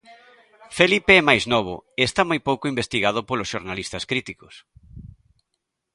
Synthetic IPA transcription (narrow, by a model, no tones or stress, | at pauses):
felipeɛmajznɔβ̞ʊ̰eːst̪amojpowkʊimbest̪iɣað̞ʊpolosʃoɾnalist̪ɐskɾit̪ikʊs